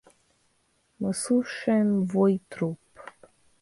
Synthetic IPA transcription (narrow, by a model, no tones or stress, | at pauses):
məsuʃɛmvojt̪ɾup